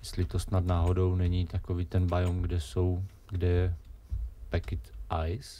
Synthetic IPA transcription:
jɛst̪lɪt̪o̞snad̪naːɦodo̞wnɛɲit̪akoviːt̪ɛnbajomɡdɛso̞w | ɡdɛjɛ | pɛkɪt̪ʔajs

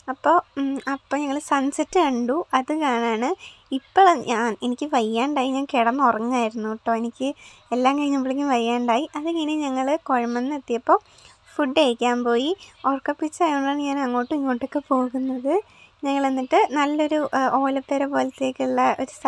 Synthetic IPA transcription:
ɐpːo̞ːɐpːoːɲɐŋːɐɭsɐnsɐtːɨɐɳɖuʔɐðɨkaːɳaːɳɨ | ipːoɭɐɲʔaːne̞nikʲːɨʋɐjːaːɳɖaːjiɲaːnkiɽɐnːorɐŋːaːjiɾunːuʈːoːenikʲːɨe̞lːaːŋkɐɻiɲːɐmbiɭikʲːumʋɐjːaːɳɖaːjiʔɐðiŋːɐneɲɐŋːɐɭɨko̞ɻɐmɐnːet̪ːijɐpːoː | fuɖːeɻikʲːaːnpo̞ːjiorkːɐpːit͡ɕːaːjoɳɖaːɳɨɲaːnɐŋːoːʈːɨiŋːo̞ːʈːokːe̞po̞ːɣunːɐðɨ | ɲɐŋːɐɭe̞nːiʈːɨnɐlːo̞ɾuo̞ːlɐp̪ːeɾɐpo̞ːlɐt̪ːe̞ːkʲːiɭːɐoɾus

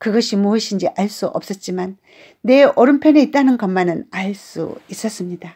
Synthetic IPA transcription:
kɯɡʌɕʰimuʌɕʰind͡ʑiʔaɭs͈uʔʌp̚s͈ʌt̚t͡ɕ͈imanː | e̞ʔoɾɯmpʰjene̞it̚t͈anɯnkʌmːanɯnaɭs͈ṵis͈ʌs͈ɯmɲida

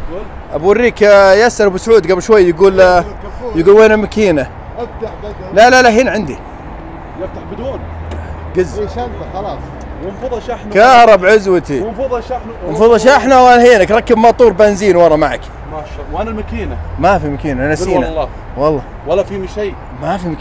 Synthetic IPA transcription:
ʔabwʊrːiːkjasːɑɾˤbɪsʕuːd̪ɡablʃwajːjɪɡuːl | jɪɡuːlweːnamakiːna | ft̪aħ | lalalaɦiːnʕɪnd̪i | jɪft̪aħbɪd̪uːn | ɡazːʃaaː | wɪnfˤʃankɑːɾˤɑbʕʊzwat̪infðˤʃa | nfɑðˤɑʃ̬aħnawalhiːnakɾˤɑkːɪbmɑt̪ˤuːɾˤbanziːnwɑɾˤɑmaʕa̰k | a | wʔanamakiːnamafimakiːnaʔanasiːnaɑ | wɑlˤːɑ | walːafimʃaj | mafim

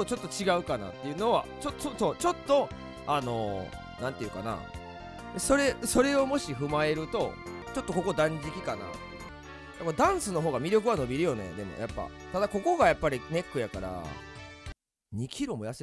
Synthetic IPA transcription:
ot͡ɕo̞t̪ːo̞t͡ɕiɡaɯ̟kana̰t̪ːe̞jɯ̟no̞βa̰t͡ɕot̪ːsoso̞ːt͡ɕo̞t̪ːo̞ | ano̞ | nãnt̪eɯ̟ka̰na̰ | eso̞ɾe̞so̞ɾe̞o̞mo̞ɕiɸɯ̟mae̞ɾɯ̟t̪o̞̰ | t͡ɕo̞t̪ːo̞ko̞ko̞d̪ãɲ̟d͡ʑikʲikana̰ | japːd̪ãɰ̃sɨno̞ɦo̞ːɡamʲiɾʲo̞k̬ɯβano̞bʲiɾɯjo̞ne̞̰d̪e̞mo̞̰ja̰pːa̰ | t̪ad̪ako̞ko̞ɡajapːaɾʲine̞kːɯ̟jakaɾa̰ | ɲ̟ikʲiɾomo̞jase

